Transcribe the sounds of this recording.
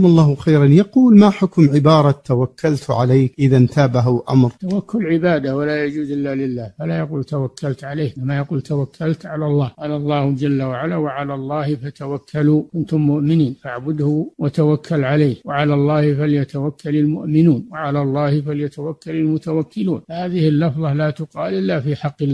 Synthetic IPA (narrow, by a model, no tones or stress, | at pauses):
mʊlˤːɑːhxajɾanjɑquːlmaħʊkmʕɪbɑːɾˤɑt̪awakʰːalt̪ʕalajkʔɪðant̪aːbaɦʊʔa̰mɾt̪awakːʊlʕɪbaːd̪awalaːjad͡ʒuːd̪ʔɪlːalɪlːaːhfalaːjaquːlt̪awakːalt̪ʕaleːnamːajaquːlt̪awakʰːalt̪ʕalaːlˤːɑːhqɑːlalˤːɑːhd͡ʒalːawaʕalaːwaʕalaːlˤːɑːhɪfat̪awakʰːaluːʔʊnt̪ʊmːʊʔmɪniːnfaʕbʊd̪hʊwat̪awakʰːalʕalaːhwaʕalaːlˤːɑːhɪfaljat̪awakːalalmʊ̰ʔmɪnuːnwaʕalaːlˤːɑːhɪfaljat̪awakːalalmʊt̪awakːɪluːnhaːðɪhɪlːɑfðˤɑhlaːt̪ʊqɑːlʔɪlːafiːħɑqːɪlː